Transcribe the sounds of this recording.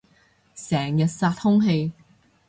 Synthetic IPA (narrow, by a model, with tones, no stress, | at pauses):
sɛː˨˩ŋjɐ˨t̚saː˧t̚hʊ˥ŋɦe˧j